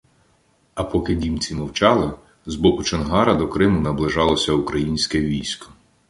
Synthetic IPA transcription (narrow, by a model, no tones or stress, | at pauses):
ɐpɔkɪdʲimt͡sʲimɐwt͡ʃɑlˠɪ | zbɔkʊt͡ʃɐnɦɑɾɐd̪ɔkɾɪmʊnɐblˠɪʒɑlˠɔsʲɐukɾɐjinʲsʲkɛʋʲijsʲkɔ̥